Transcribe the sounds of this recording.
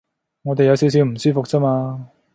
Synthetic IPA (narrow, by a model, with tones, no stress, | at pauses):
ŋɔː˨˧t̪e˨jɐ˨˧wsi˨˧ws̬i˨˧wm̩˨˩syː˥fʊ˨k̚t͡sɐ˥maː˧